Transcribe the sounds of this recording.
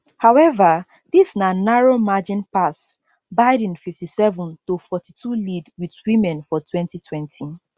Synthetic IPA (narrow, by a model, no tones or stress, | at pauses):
hawɛva | disnanaɹomad͡ʒĩnpas | baɪdĩnfiftisɛvɔ̃ntofɔtitʰulidwidwĩmɛ̃nfɔtʰwɛ̃ntitʰwɛ̃ntʰi